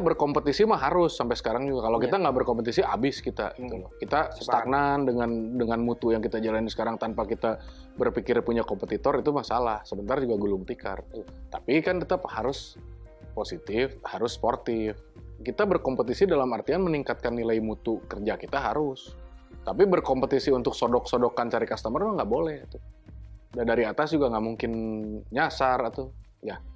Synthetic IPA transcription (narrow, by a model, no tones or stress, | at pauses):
t̪abərkompət̪isimahɦaɾʊsːampɛjsə̥kaɾaŋd͡ʒuɡakalawkit̪aŋɡaʔbərkɔmpət̪isiabɪskit̪a̰it̪ulkit̪ast̪ak̚nandəŋandəŋanmut̪ujaŋkit̪ad͡ʒalandisə̥kaɾaŋt̪anpakit̪a | bərpikɪrpuɲakɔmpət̪it̪ɔɾit̪umasalahsəbənt̪ard͡ʒuɡaɡulʊŋt̪ika̰rt̪apikankit̪ahaɾʊs | posit̪ɪfhaɾʊsːpɔrt̪ɪf | kit̪abərkɔmpət̪isidalamart̪ianməniŋkat̪̚kanːilaimut̪ukərd͡ʒakit̪aɦaɾʊst̪apibərkɔmpət̪isiunt̪ʊksodɔksodɔkant͡ʃaɾikast̪əmərmaŋɡaʔbolɛht̪u | dandaɾiat̪asd͡ʒuɡaŋɡaʔmuŋkɪnɲasarit̪uja